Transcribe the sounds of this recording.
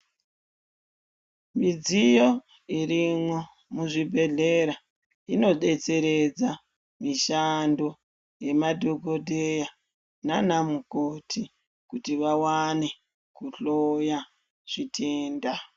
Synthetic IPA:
mid͡zijo̞ | irimo̞ | muʐibʱe̞ɮe̞ɾa | ino̞ɗe̞t͡se̞ɾe̞d͡za | miʃando | je̞madʱo̞ɡo̞dʱe̞ja | nanamukotʰi | kutiʋawane̞ | kuɬoja | ʐ̥itʰeːnda

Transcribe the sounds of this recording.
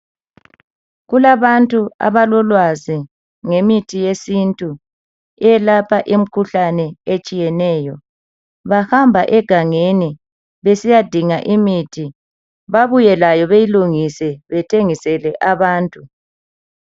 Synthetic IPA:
ɣulaβantʼua̰βalɔlwazi | ŋemitʰijesintʼu | ɛjɛlapʰaʔim̩kʰuɬanɛet͡ʃʼijɛnɛːjɔ | βahambʱaʔɛɡ̥ʱaŋeni | βesijad̥ʱiŋaʔimitʰi | βaβujɛlajɔβejiluŋisɛβɛtʰeŋisɛlɛʔaβaːntʼu

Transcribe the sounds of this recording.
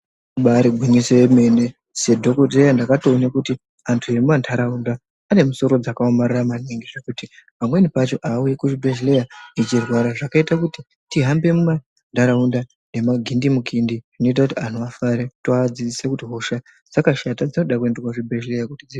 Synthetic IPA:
uɓaɾeɡʱwiniseeme̞ne̞ | se̞dʱo̞kotejandakatoːnakuti | antʰuiemumandʰʱaɾaundaː | ne̞muso̞ɾo̞d͡zakaomariramaneŋɡeʐakutipamwe̞nipat͡ʃo̞ʔaujekuʐibʱeʒle̞jait͡ʃirwaɾaʐakaitakuti | tiɦambe̞muma | ntʰaɾaunda | ne̞maɡʱindimukʰindiʐino̞it̬akutian̤uafaɾetoad͡zid͡zisekutiɦoʃa | d͡zakaʃatad͡zino̞ɗakue̞nderwaʐibʱeʒlejakutid͡zi

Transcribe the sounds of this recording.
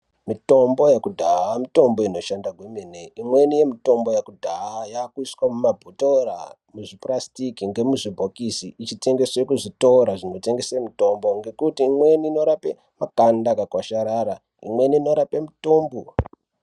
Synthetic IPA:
mito̞mbo̞jekudʱaamito̞mboino̞ʃandaɡʱwemineimwe̞nije̞mito̞mbo̞jakudʱaajakuiswamumabʱutora̰ | muʐiprastikiŋɡe̞muʐibʱokisiit͡ʃite̞ŋɡe̞swekuʐitoɾaʐino̞te̞ŋɡesemito̞mbo̞ŋɡe̞kutiːmweniːno̞ɾapḛ | makandakakwaʃaɾaɾa | ḭmwe̞niːno̞ɾapemitoːmbo

